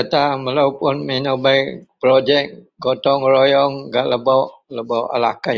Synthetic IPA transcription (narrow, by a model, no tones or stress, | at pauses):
at̪aməlawpʊnmenɔbajpɾod͡ʒɛk̚ | ɡɔt̪ɔŋɾojɔŋɡaʔləbɔʔləbɔʔa̰la̰ka